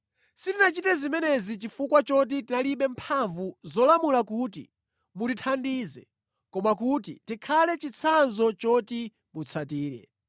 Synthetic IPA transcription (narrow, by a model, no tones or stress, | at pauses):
sitinat͡ʃitɛzimɛnɛzit͡ʃifukwat͡ʃɔt̬itinaliɓɛmpʰaɱvuzɔlamulakutḭ | mutitʰandiːzɛ̰ | kɔmakut̬itikʰalɛt͡ʃit͡sʰanzɔt͡ʃɔti | mut͡sʰatiːɾɛ̰